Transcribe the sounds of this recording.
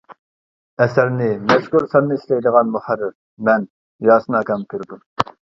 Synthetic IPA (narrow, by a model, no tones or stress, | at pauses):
ɛsæɾnɪmɛʃkuɾsɑnnɨiʃlɛjd̪əʁɑnmuχæɾːɪɾ | mɛn | jɑːsɨnɨɑkʲɑmk̪ʲʰyɾd̪um